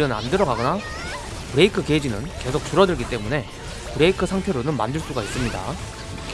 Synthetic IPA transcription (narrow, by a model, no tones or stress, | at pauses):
ɯnna̰ndɯɾʌɡaɡʌna | pɯɾe̞ikʰɯked͡ʑinɯnke̞sʰok̚t͡ɕ͈uɾʌdɯɭɡit͈e̞mune̞ | pɯɾe̞ikʰɯsʰaŋtʰe̞ɾonɯnma̰ndɯɭs͈uɡais͈ɯmɲida̰